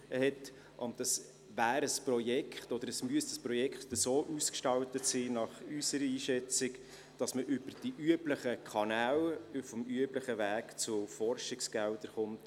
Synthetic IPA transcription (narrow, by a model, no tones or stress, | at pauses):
əhɛt | ʔɔndɑs | væːɾəsprɔjɛkχtɔd̪əɾəsmyəsə̥sprɔjɛkχt̪əsoːʔuskʃtɑwtətsiːnɑχysəɾəiːʃɛt͡sɪk | d̥ɑsməʔʏb̥əɾd̥iʔyəbləχəkʰɑnæːlfɔmyəbləχəʋæːkt͡sʊfɔrʃɪksɡ̥æld̥̪əɾχʊnt